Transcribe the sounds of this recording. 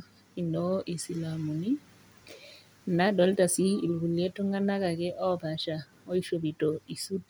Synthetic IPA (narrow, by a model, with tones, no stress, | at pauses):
indɔ˦ʔi˨si˨lamu˨ni˦ | naɗɔ˦lta˨siː˨lɡu˨ljɛ˦tɔ˦ŋa˦nakaɡɛ˦ʔɔ˦baʃa | ɔ˦i˦ʃobitɔi˨su˦ti